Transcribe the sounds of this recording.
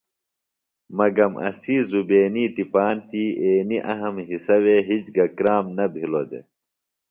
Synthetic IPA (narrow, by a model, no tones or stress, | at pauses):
mɐɡɐmʔɐ̰siːzubeːniːt̪ipaːnt̪iːeːniʔɐɦɐmɦisɐweɦit͡ɕɡɐkɾaːmnɐbʱilod̪ḛ